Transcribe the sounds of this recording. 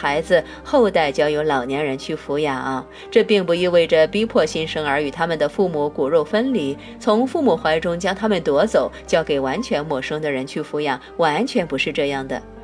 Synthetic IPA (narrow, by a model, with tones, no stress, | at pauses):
xa˧˥ɪd͡zɹ̩˧ | xo˥˧ʊt̪a˥˩ɪt͡ɕjɑ˥˩ʊjo˧˥ʊlɑ˨˩ʊnjɛ˧˥nɻə˧˥nt͡ɕʰy˥˩fu˧˥ja˨˧˩ʔɐ˧ | ʈ͡ʂɤ˥˧pi˥˩ŋpu˧˩i˥˧we˥˩ɪʈ͡ʂə˩pi˥pʰwɔ˥˩ɕi˥nʂɤ˥ŋə˞˧˥y˨˩t̪ʰa˥mə˨nd̪ə˩fu˥˩mu˧˥ku˨˩ɻo˥˩ʊfə˥nli˧˥ | t͡sʰʊ˧˥ŋfu˥˩mu˨˩xwa˧˥ɪʈ͡ʂʊ˥ŋt͡ɕjɑ˥ŋt̪ʰa˥mə˨nt̪wɔ˧˥t͡so˨˩˦ʊt͡ɕjɑ˥˩ʊke˨˩ɪwa˧˥nt͡ɕʰɥɛ˧˥nmwɔ˥˩ʂɤ˥ŋd̪ə˨ɻə˧˥nt͡ɕʰy˥˩fu˧˥ja˧˩˥ | wa˧˥nt͡ɕʰɥɛ˧˥npu˧˥ʂɻ̩˥˧ʈ͡ʂɤ˥˧jɑ˥˩ŋd̪ə̰˩